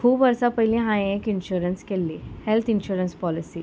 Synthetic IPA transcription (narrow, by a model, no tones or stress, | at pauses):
kʰupʋəɾsapəɦilĩɦãẽekinɕuɾənskelːihelt̪ʰinɕuɾənspɔlisi